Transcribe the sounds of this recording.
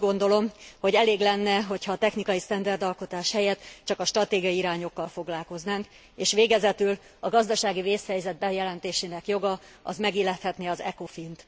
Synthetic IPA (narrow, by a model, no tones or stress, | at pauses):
ɡo̞nd̪o̞lo̞mho̞ɟɛleːɡlɛnːɛɦo̞chɒːt̪ɛxnikɒjist̪ɛnd̪ɛrd̪ɒlko̞t̪aːʃhɛjɛt̪t͡ʃɒkɒʃt̪rɒt̪eːɡiɒjiiɾaːɲo̞kːɒlfo̞ɡlaːlko̞znaːŋk | eːʃʋeːɡɛzɛt̪yl | ɒɡɒzd̪ɒʃaːɡiveːshɛjzɛd̪̚bɛjɛlɛnt̪eːʃeːnɛkjo̞ɡɒɒ̰zmɛɡiːlɛt̪hɛt̪neɒzɛko̞fint̪